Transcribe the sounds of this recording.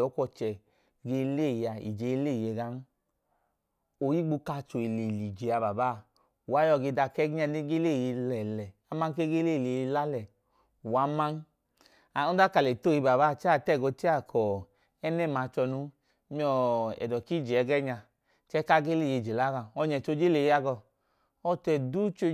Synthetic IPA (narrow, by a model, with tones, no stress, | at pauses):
ɔ˨˦kʷɔ˧t͡ʃɛ˨ | ɡe˧le˦˨ja˧ḭ˨d͡ʒe˨˧˦le˦˨je˧ɡa˦n˦ | o˨ji˦ɡ͡bu˧ka˧t͡ʃo˨i˨le˨li˨d͡ʒe˨a˨˧ba˨ba˦˨ | u˨wa˨˦jɔ˧˨ɡe˧da˧kɛ˦ɡi˦a˧ne˦ɡe˦le˦˨je˧lɛ˨lɛ˨a˦ma˦ŋ˦ke˦ɡe˦le˦˨le˨jla˦lɛ˨ | u˨wa˨˦ma˦n | a˨u˦da˦ka˨lɛ˨to˦˨ji˧ba˨ba˦˨t͡ʃɛ˦a˦˨tɛ˦˨ɡo˧˦ti˦a˦˨kʰɔ˨ | ɛ˦nɛ˦˨ma˨˧t͡ʃɔ˧nu˧˦ | mi˦˧ɔ˧ɛ̰˨dɔ˨ki˦d͡ʒe˨ɛ˨˧˦ɡɛ˦ɲa˧ | t͡ʃɛ˦ka˦ɡe˦le˦˨je˧˨d͡ʒe˨la˦ɡa˧ɔ˧ɲɛ˨t͡ʃo˧˦d͡ʒe˦le˨ji˧˦a˧ɡɔ˧˨ | ɔ˧tɛ˧du˦t͡ʃo˧